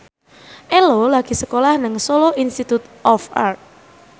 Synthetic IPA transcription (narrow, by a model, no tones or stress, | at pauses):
ʔelolaɡ̥i̤səkolahnəŋsoloʔinst̪it̪ut̪ʔɔfart̪̚